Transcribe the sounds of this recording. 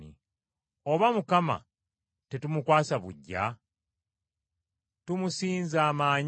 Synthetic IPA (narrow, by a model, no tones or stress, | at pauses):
ḭ | o̞βamukama̰ | te̞tumukwaːsaβṵɟːa̰ | tumusiːnzaːmaːɲ